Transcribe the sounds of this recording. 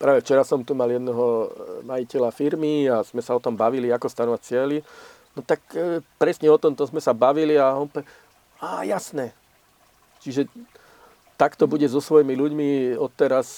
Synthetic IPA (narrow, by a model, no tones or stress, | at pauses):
pɾaːʋɛft͡ʃɛɾasɔmt̪umaljɛd̪nɛɦɔmajicɛlafiɾmiaz̥mɛsaɔt̪ɔmbaʋiliakɔst̪anɔʋat͡sɪɛli | nɔt̪akpɾɛsɲɛɔt̪ɔmt̪ɔzmɛsabaʋiliaɔnpɔɛ | aːjasnɛ | t͡ʃiʒɛ | t̪akt̪ɔbuɟɛzɔsʋɔjimiluɟmiɔt̪ːɛɾas